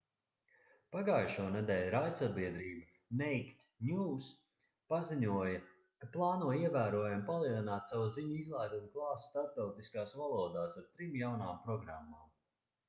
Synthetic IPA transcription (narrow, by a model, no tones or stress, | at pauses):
paɡaːjʃuɔnɛd̪ɛːlʲɾaj̪sabiɛd̪ɾiːba | nɛjkt̪ | ɲʲuːs | paziɲuɔjɐ | kaplˠɑːnuɔiɛvæːɾuɔjampalˠiɛlˠinaːt̪savuziɲuizlˠajd̪unklˠɑːsst̪aɾp̚t̪awt̪iskaːsvalˠuɔd̪aːsaɾt̪ɾimjawnaːmpɾɔɡɾamːaːm